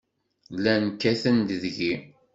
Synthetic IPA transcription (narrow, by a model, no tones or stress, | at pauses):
lænkːæθənd̪ðʝi